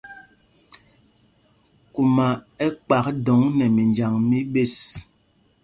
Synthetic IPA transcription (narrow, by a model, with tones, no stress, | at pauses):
ku˨ma˨ɛ˦k͡pa˨k̚dɔ˨˦ŋnɛ˨mi˨nd͡ʒa˨ŋmi˦ɓe˦s